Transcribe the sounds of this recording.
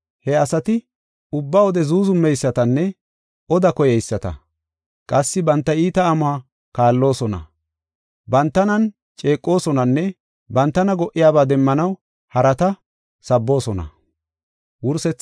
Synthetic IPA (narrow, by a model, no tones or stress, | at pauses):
hɛɐsɐt̪ɪ | ʊbːaːwɔd̪ɛzuːzʊmːɛjsːɐt̪ɐnːɛ | ʔɔd̪ɐkɔjɛjsːɐt̪ɐ̰ | kʼɐsːɪbɐnt̪ːɐiːt̪ɐːmʊaː | kaːlːo̞ːsɔnɐ̰ | bɐnt̪ːɐnɐn | t͡ʃʼe̞ːkʼːo̞ːsɔnɐnːɛ | bɐnt̪ːɐnɐɡɔʔːɪjaːbaːd̪ɛmːɐnɐw | hɐɾɐt̪ɐ | sɐbːo̞ːsɔnɐ̰ | wʊɾsɛt͡sː